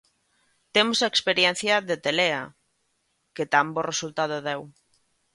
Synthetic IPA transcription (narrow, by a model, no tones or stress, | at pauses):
t̪emosaekspeɾjɛn̟θjɐðet̪elea | ket̪amboresult̪að̞oðɛw